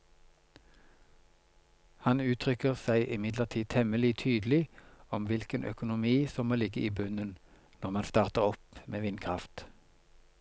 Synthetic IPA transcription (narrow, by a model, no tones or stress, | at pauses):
hɑnʉːt̪ʰʁʏkəʁsæɪʔɪmɪd̪ləʁt̪ʰiːt̪ʰɛməlɪt̪ʰyːd̪l̩ɪɔmʋɪlkənʔœ̰kʊnʊmiːsɔmːoːlɪɡəʔiːbʉnən | nɔʁmɑnst̪ɑːʁt̪əʁɔpmʔeːʋɪnkʰʁɑft̪